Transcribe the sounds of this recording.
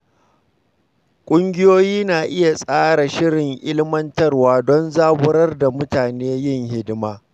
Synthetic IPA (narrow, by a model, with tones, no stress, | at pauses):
kʷʼʊ˦ŋɡʲɪ˦joː˦jiː˦naː˨ʔɪ˦ja˨sʼaː˦ɽa˨ʃɪ˦ɽɪ˨ŋʔɪ˦lmɐ˦ntɐ˦rwaː˦dɔ˦nzaː˦bʊ˦ɾɐ˦rda˨mʊ˦taː˨neː˦jɪ˦˨ŋhɪ˦dmaː˦